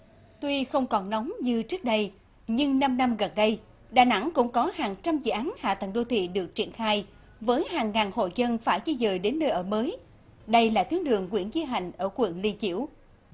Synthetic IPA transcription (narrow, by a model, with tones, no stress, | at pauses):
t̪wi˧xə˧wŋ͡mkɔ˨˩nnɔ˨˦wŋ͡mɲɨ˧t͡ɕɨ˦˥ək̚ɗə˧j | ɲɨ˧ŋna˧mna˧mɣə˨˩nɗə˧j | ɗaː˨˩na̰˧˥ŋkʊ̰˧˥ŋ͡mkɔ˨˦haː˨˩ŋt͡ɕa˧mzɨ̰˧˨ʔaː˨˦nha̰ː˧˨t̪ə˧˩ŋɗo˧t̪ʰḭ˧˨ɗɨ˨˩ək̚t͡ɕi˧˩ənxaː˧j | vəː˨˦jhaː˨˩ŋːaː˨˩nho̰˧˨jzə˧nfaː˧˩jt͡ɕi˧zəː˨˩jɗe˨˦nːəː˧jʔəː˧˩məː˨˦j | ɗə˧jlaː˨˩t̪ʰi˨˦ənɗɨ̰˨˩əŋkwḭ˧˩ənzi˧ɦa̰˨˩˨jŋ̟ʔəː˧˩kwḭ˧˩˨nli˧nt͡ɕḭ˧˩˥əw